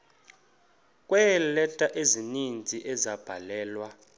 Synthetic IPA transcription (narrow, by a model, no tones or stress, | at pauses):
kʼwɛlɛtʼaʔezinint͡sʼiʔɛzab̥ʱalɛːlwa